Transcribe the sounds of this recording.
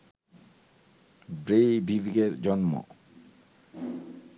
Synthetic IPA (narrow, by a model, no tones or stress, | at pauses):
bɾejbʱibiɡeɾd͡ʑɔnmo̰